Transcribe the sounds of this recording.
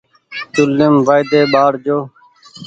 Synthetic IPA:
t̪ʊlːɪmʋaːjd̪eːɓaːɽd͡ʒoː

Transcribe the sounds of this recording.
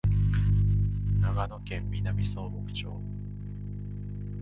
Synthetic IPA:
naɡano̞kẽ̞mːʲinamʲiso̞ːbokɯ̟̥t͡ɕo̞̰ː

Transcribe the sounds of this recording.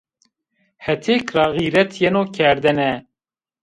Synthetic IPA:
hɛt̪ʰeːkrɑɣiɾɛt̪ʰjɛnoːkʰɛɾd̪ɛnɛ

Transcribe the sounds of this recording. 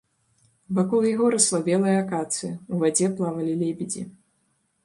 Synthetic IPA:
vakɔlˠjaɣɔɾɐslˠabʲɛlˠɐjɐakat̪sɨjɐuvad͡zʲɛplˠavɐlʲilʲebʲid͡zʲḭ

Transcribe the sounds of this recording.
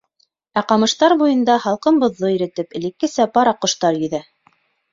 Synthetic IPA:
æqɑmɤ̆ʃt̪ɑɾbujɤ̆nd̪ɑhɑlˠqɤmbŏðːoĭɾɘ̆t̪ɘpɘ̆likːɘ̆sæpɑɾɑqŏʃt̪ɑɾjɵ̆ðæ

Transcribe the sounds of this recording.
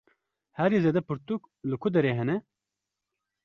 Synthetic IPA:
hɛɾizeːd̪ɛpɨɾt̪uk | lɨkʰʊd̪ɛɾeːɦɛnɛ

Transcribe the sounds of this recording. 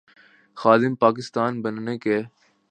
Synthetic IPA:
xaːd̪ɪmpaːk̬ɪst̪aːnbənneːkeː

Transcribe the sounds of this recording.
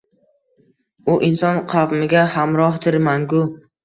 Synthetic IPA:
ʊʔɪnsɒnqʰɑvmɪɡʲahamɾɒht̪ʰɪɾmanɡʊ

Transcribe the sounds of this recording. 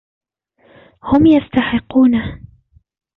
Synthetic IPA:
hʊmjast̪aħɪqːuːna

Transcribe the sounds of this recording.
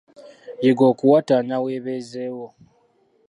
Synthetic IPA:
jeɡokuwataɲaweːβezeːwo

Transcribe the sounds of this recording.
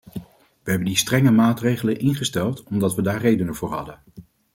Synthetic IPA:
ʋəɦɛbəndistrɛŋəmaːtrejχələnʔɪnχəstɛlˠtɔmdɑtʋədaːɹrejdənəv̥ʊːɹɦɑ̰dən

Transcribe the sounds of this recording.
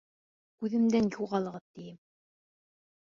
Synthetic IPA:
kʉðɘ̆md̪ænjuʁɑlˠɤ̆ʁɤðt̪ijɘm

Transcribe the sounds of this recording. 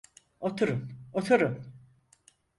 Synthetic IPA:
ot̪ʰuɾɯmot̪ʰuɾɯm

